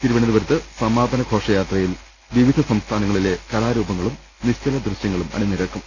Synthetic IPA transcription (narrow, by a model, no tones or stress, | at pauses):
t̪iɾuʋɐɳɐðuʋɐɾut̪ːɨsɐmaːd̪ʱɐnɐɡʱo̞ːʂɐjaːt̪rɐjil | ʋiʋid̪ʱɐsɐmst̪ʰaːnɐŋːɐɭile̞kɐlaːɾuːbɐŋːɐɭum | niɕt͡ɕɐlɐd̪ruɕjɐŋːɐɭumɐ̰ɽinːiɾɐkːum